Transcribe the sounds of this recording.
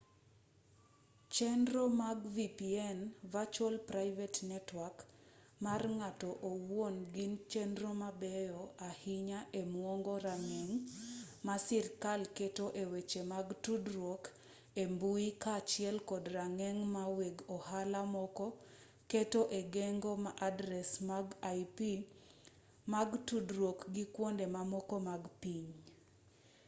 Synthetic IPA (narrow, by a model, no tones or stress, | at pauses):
t͡ʃɛndɾomaɡvipiɛnvat͡ʃɔlpɾaɪvɛtnɛtwak | marŋatɔʔowwonɡint͡ʃɛndɾomabɛjɔahiɲaʔemwoŋɡɔɾaŋɛŋmasirkalketoʔewet͡ʃemaɡtudɾok | embuikat͡ʃjɛlkɔdraŋɛŋmaweɡɔhalamɔkɔ | ketoʔeɡeŋɡomaʔadɾɛsmaɡajpi | maɡtudɾwokɡikwondemamɔkɔmaɡpiɲ